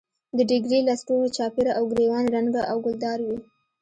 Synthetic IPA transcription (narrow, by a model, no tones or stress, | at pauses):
d̪əɖɪɡɾelasʈoɣet͡ʃɑpeɾaʔawɡɾewɑnɾaŋɡaʔawɡʊld̪ɑɾwi